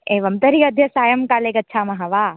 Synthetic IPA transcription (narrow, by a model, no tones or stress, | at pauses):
eːʋɐmt̪ɐɾiɐd̪ʱjɐsaːjɐmkaːleːkɐtːt͡ʃʰaːmɐɦɐʋaː